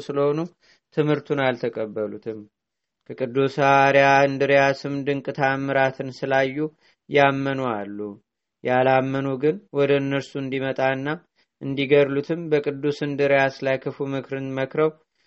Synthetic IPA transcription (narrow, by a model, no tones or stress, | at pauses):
sɨləho̞nu | t̪ʰɨmhɨɾt̪ʰunalt̪ʰəkʼəbːəlut̪ʰɨm | kʰəkʼɨd̪ːusaɾjaɨnd̪ɨɾjasɨmd̪ɨŋkʼɨt̪ʰamːɨɾat̪ʰɨnsɨlajːu | jamːənoalːu | jʔalamːənuɡɨnwɔd̪əɨnːəɾsuɨnd̪imət̪ʼaɨnːa | ʔɨnd̪iɡəɾlut̪ʰɨmbəkʼɨd̪ːusɨnd̪ɨɾjaslajkʰɨfumɨkɾɨnməkɾəw